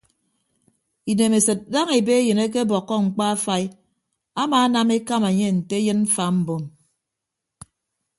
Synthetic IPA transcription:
i˨ne˨me˨sɨ˨t̚da˦ŋe˨be˦jɨ˨ne˦k̬e˦bɔ˨kːɔ˦ŋ͡m̩˨k͡pa˦a˦fa˦i˦ | a˦ma˨a˦na˦me˦ka˦ma˨ɲe˦n̩˨te˦jɨ˦nm̩˦fa˨m̩˦bo˨m

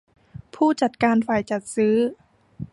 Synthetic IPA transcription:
pʰuː˥˩t͡ɕa˨˩t̪̚kaː˧nfaː˨˩jt͡ɕa˨˩t̪̚sɯː˦˥

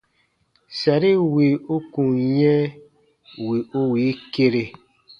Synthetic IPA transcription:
sa˨ɾi˦wi˨u˦kũ˨jɛ̃˦ | wi˨ʔo˦wi˨˦ke˦ɾe˨

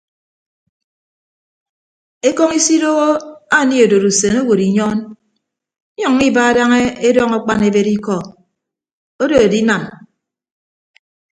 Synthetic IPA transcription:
e˦kɔ˦ŋi˦si˦do˦ɣo˦a˦˨ni˦o˨do˨ɾu˨se˨no˦wo˨ɾi˨ɲɔ˦n̩˦ | ɔ˨ŋː˦i˦ba˦a˦da˦ŋe˦e˦dɔ˦ŋa˦k͡pa˦ne˨be˦ɾi˦kɔ˦˨ | o˦do˨e˨di˦na˨m

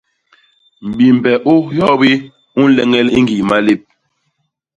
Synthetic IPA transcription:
m̩˨bi˨m̩˨bɛ˨ʔo˦jɔ˦bi˦ | u˦n̩˦lɛ˦ŋɛ˦li˦ŋɡi˨ma˦le˦˨p̚

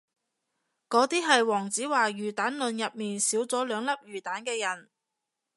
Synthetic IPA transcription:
kɔː˨˥t̪iː˥ɦɐ˨jwɔː˨˩ŋt͡siː˨˥waː˨˩jɥyː˨˩t̪aː˨˥nlɵ˨˧njɐ˨p̚miː˨nsiː˨˥wt͡sɔː˨˥lœː˨˧ŋlɐ˥p̚jyː˨˩t̪aː˨˥nkɛː˧jɐ˨˩n

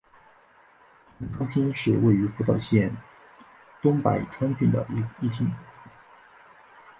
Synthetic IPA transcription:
ʈ͡ʂɑ˥ŋt͡ɕʰi˥nʂɻ̩˥˧we˥˩ɪy˧˥fu˧˥t̪ɑ˥˧ʊɕjɛ˥˩n | t̪ʊ˥ŋpa̰˨˩ɪʈ͡ʂʰwa˥nt͡ɕʰy˥˩nd̪ə̰˩i˧˥˧i˥˩t̪ʰi˥ŋ

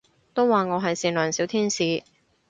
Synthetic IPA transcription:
t̪o˥wːaː˨˩ŋɔː˨˧ɦɐ˨jsiː˨˩nlœː˨˩ŋsiː˨˥wt̪ʰiː˥nsiː˨˧

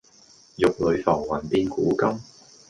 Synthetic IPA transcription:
jʊ˨k̚lɵ˨˧ɥfɔː˨˩ŋwɐ˨˩np̪iː˧nkuː˨˥kɐ˥m

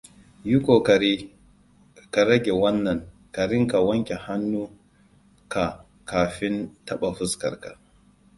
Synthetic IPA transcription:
ju˦kʷo˨ka˨iː˦ | ka˨ɾɐ˦ɡʲe˨wɐ˦nːɐ˨ŋ | ka˨ɾɪ˦ŋka˨wɐ˦ŋkʲe˨ha˦nːuː˦ | ka˨ | kaː˨ɸɪ˦ntɐ˦ɓa˨ɸʊ˦skɐ̰˨ɾka̰˨

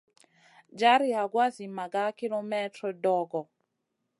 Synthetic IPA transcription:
d͡ʒa˦ɾi˨a˨ɡwa˦zi˨ma˨ɡa˦ki˦lɔ˦mɛ˦trɔ˨dɔ˦˨ɡɔ˨

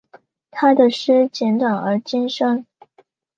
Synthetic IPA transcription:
t̪ʰa˥d̪ə˨ʂɻ̩˥t͡ɕjɛ˧˥nt̪wa˨˩ŋə˞˧˥t͡ɕi˥nʂɤ˥ŋ

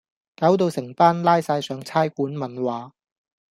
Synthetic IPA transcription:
kaː˨˥wt̪o˧wsɪ˨˩ŋt̪aː˥nlaː˥jsaː˧jsœː˨˧ŋt͡sʰaː˥jkuː˨˥nmɐ˨nwaː˨˧

